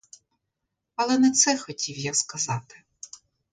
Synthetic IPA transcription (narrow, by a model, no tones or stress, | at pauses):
ɐlˠɛnɛt̪sɛxɔtʲiwjakskɐzɑt̪ɪ̥